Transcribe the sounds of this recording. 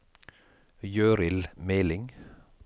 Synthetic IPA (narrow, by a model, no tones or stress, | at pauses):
jøːɾɪlmeːlɪŋ